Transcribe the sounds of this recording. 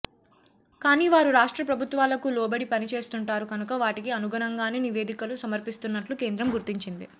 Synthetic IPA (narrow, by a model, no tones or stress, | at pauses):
kaːniːʋaːɾuɾaːʂʈɾɐpɾɐbʱut̪ʋaːlɐkulɔːbɐɽipɐnit͡ʃe̞ːst̪uɳʈaːɾukɐnukɐʋaːʈikiɐnuɡɐnɐŋɡaːneːniʋe̞ːd̪ikɐlusɐmɐɾpist̪unːɐʈlukeːnd̪ɾɐmɡuɾt̪iɲt͡ʃind̪i